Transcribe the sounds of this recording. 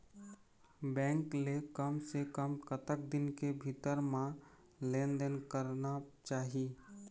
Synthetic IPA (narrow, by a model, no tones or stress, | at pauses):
bɛ̃ːŋklekəmsekəmkət̪ək̚d̪ɪnkebʱit̪əɾmã | lẽːnd̪ənkəɾnat͡ʃaːɦi